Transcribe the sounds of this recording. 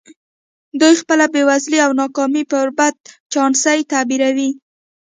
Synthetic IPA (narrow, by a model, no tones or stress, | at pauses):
d̪ujxpəlabewazliawnɑkɑmipəbad̪̚t͡ʃɑnsajt̪abiɾawi